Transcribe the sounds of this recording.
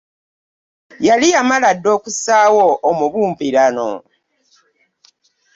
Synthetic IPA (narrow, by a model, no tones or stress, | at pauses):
jalijamaladːo̞ːkusaːwoʔːmuβuːmpiɾano̰